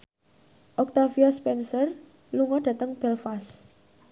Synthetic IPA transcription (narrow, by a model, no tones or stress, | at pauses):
ʔɔk̚t̪afiaspɛnsər | luŋɔɖ̥ä̤t̪əŋb̥ɛlfas